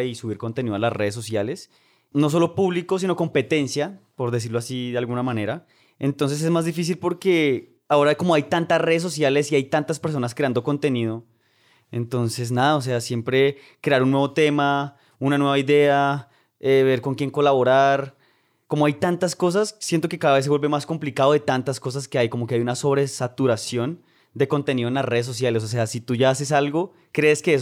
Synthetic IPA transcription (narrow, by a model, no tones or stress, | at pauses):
isuβiɾko̞nt̪e̞niðoalasreðes̬o̞sjales | no̞s̬o̞lopuβliko̞s̬ino̞ko̞mpe̞t̪e̞nsjapo̞ɾðe̞s̬iɾloasiðealɣunamãne̞ɾa | ḛnt̪o̞ns̬e̞s̬ezmazd̪ifis̬ilpo̞ɾke̞ | ao̞ɾako̞mo̞ajt̪ant̪asre̞ðes̬o̞sjale̞siajt̪ant̪aspe̞ɾs̬o̞naskɾeand̪o̞ko̞nt̪e̞niðo̞ | ḛnt̪o̞nse̞s̬naðaos̬e̞asje̞mpɾe̞ | kɾe̞aɾunːweβo̞t̪e̞ma | unanwe̞βaiðe̞a | eβe̞ɾko̞ŋkje̞ŋko̞laβo̞ɾaɾ | ko̞mo̞ajt̪ant̪asko̞s̬assje̞nt̪o̞ke̞kaðaβe̞s̬ewe̞lβemasko̞mplikaðo̞ðet̪ant̪asko̞s̬aske̞ajko̞mo̞keajunaso̞βɾe̞sat̪uɾasjo̞n | d̪e̞ko̞nt̪e̞niðoenlasreðes̬o̞s̬jales̬os̬e̞asit̪uʝaase̞salɡo̞ | kɾe̞ːskees